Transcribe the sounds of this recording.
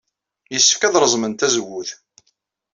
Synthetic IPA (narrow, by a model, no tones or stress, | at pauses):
jəsːəfkæðɾˤəzˤmənt̪æzəwːʊθ